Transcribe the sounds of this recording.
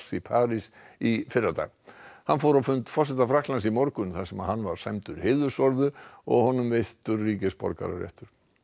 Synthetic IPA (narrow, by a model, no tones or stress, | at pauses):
sipʰaːɾis | ifɪrːat̪a̰ɣhanfɔwɾawfʏnt̪fɔrs̬ɛt̪afɾahk̪lansimɔɾkʏnθḁsɛmaðhanːvaɾ̥sajmt̪ʏɾhɪːðʏsɔɾðʏɔ̰ɣhɔnʏmvejht̪ʏɾːiːcɪspɔ̰ɾka̰ɾa̰ɾjɛ̰ht̪ʏɾ̥